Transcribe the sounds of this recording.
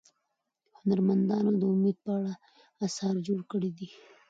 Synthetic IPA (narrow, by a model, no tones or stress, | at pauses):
hʊnaɾmand̪ɑnod̪əʊmed̪̚pəaɽa | asɑɾd͡ʒoɽkəɽid̪i